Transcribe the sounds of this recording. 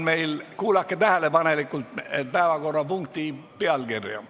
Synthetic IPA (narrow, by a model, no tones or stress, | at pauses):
nmeilkuːlɑkːet̪æhælepɑnelikːult̪et̪pæeʋɑɡorːɑpuŋkt̪iːpeɑlɡ̥erjɑ̰